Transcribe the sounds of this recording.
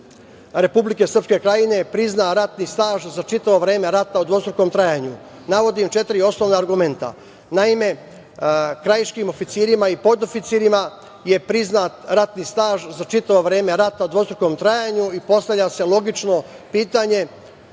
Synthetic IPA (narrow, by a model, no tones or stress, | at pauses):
ɾe̞publike̞sɾr̩pske̞kɾajine̞pɾiznaɾat̪nist̪aːʒzat͡ʃit̪aʋo̞ʋɾe̞ːme̞ɾat̪aud̪ʋo̞st̪ɾuko̞ːmt̪ɾajaɲu | naʋo̞d̪imt͡ʃe̞t̪iɾio̞sno̞ʋnaːɾɡume̞nt̪a̰ | naime̞ | kɾajiʃkiːmo̞fit̪siːɾimaipo̞d̪o̞fit̪siːɾima | je̞pɾiznat̪ɾat̪niːst̪aːʒzat͡ʃit̪aʋoʋɾe̞ːme̞ɾat̪aud̪ʋo̞sɾuko̞mt̪ɾajaɲuipo̞st̪aʋʎʲase̞lˠo̞ɡit͡ʃno̞piːt̪aɲe̞